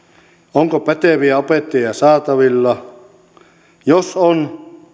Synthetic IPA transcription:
oŋkopæt̪eʋiæopet̪ːejɑsɑːt̪ɑʋilːɑ | joson

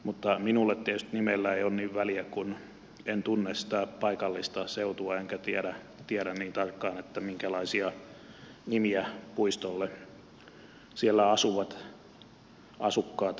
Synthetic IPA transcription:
mut̪ːɑminulːet̪t̪ːietyst̪nimelːæeionniːʋʋæliækun | ent̪unːessi̥t̪æpɑikɑlːist̪ɑseut̪uɑeŋkæt̪iæɾæ | t̪iɛɾænniːnt̪ɑrkːɑːnet̪ːæmiŋkælɑisiɑ | nimiæpuist̪olːe | sielːæɑsuʋɑt̪ | ʔɑsukːɑːt̪

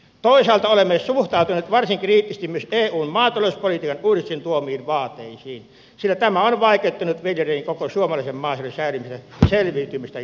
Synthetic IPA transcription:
t̪oˑisɑːlt̪ɑolemːesuht̪ɑˑut̪unet̪ʋɑrsiŋkriːt̪ːisest̪imyøseːuːnmɑːt̪ˑɑloˑspolit̪iːkɑnuːdist̪int̪uomiːʋʋɑːt̪ːˑeˑisiːn | silːæt̪æmæonʋɑˑikˑet̪ːunut̪ʋiljeriiŋkokosuomɑlɑˑisemmɑˑːselːensæˑylymist̪æjɑselʋiːt̪ymist̪æ

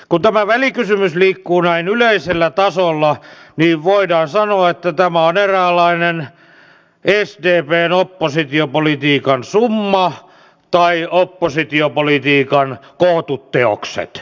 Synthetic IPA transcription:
kunt̪æmæʋælikysymysliːkːuːnæinyleiselːæt̪ɑsolːɑniːʋʋoidɑːnsɑnoɑet̪ːæt̪æmæoneræːlːɑinen | esdeːpeːnopːosit̪iopolit̪iːkɑnsumːɑ | t̪ɑiopːosit̪iopolit̪iːkɑnkoht̪ut̪ːeo̰ksḛt̪

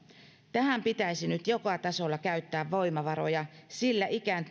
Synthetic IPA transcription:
t̪æhæmpit̪æisinyt̪jokɑt̪ɑso̞lːɑkæyt̪ːæːʋːo̞jmɑʋɑɾo̞jɑsilːæʔikænt̪

